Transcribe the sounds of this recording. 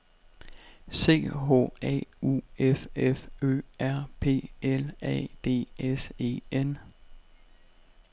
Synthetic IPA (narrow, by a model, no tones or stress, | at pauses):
se̝̰ːɦo̰ːɛ̰ṵefefø̰ːʔæɐ̰pʰe̝̰ːelɛ̰d̥e̝̰ːese̝̰ːen